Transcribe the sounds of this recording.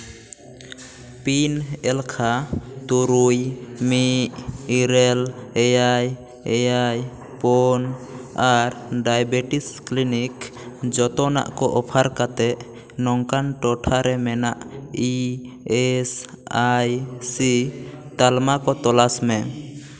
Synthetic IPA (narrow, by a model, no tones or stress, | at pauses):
pinɛlkʰat̪uɾujmiʔiɾɛlɛjaj | ɛjaj | pɔnaɾɖajbɛʈisklinikd͡ʒɔt̪ɔna̰ʔkɔʔɔpʰaɾkat̪ɛʔ | nɔŋkanʈɔʈʰaɾɛmɛnaʔi | ɛs | ajsit̪almakɔt̪ɔlasmɛ